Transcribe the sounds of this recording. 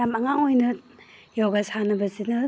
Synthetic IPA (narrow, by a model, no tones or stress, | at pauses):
amɐŋaŋojnɐjawɡasanɐbɐzinɐ